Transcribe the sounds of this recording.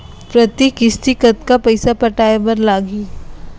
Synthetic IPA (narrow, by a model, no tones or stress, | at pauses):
pɾɐt̪ikɪst̪ikət̪̚kapɐɪsapɐʈaːebɐɾlaːɡi